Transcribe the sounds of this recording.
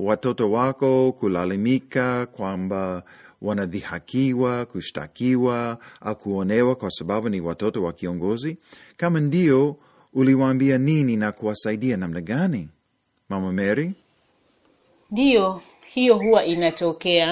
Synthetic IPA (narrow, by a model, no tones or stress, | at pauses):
watɔtɔwakɔkulalimikakwambawanaðihakiwakuʃta̰kiwaʔaukuɔnɛwakwasabaɓuniwatɔtɔwakiɔŋɡɔzikamandiɔ | uliwaːmbianininakuwasaiɗianamnaɡani | mamamɛɾi | ndijɔ | hijɔɦuwaʔinatɔkɛa